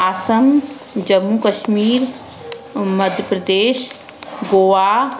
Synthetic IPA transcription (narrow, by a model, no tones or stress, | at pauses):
aːsəm | d͡ʒɐmːukəʃmiːɾ | mɐd̪ʱjəpɾəd̪eːʃ | ɡoːʋaː